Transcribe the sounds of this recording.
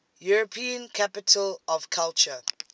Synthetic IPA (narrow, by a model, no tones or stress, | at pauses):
juɹəpʰĩə̃nkʰapɪtʰəlɔvkʰalt͡ʃə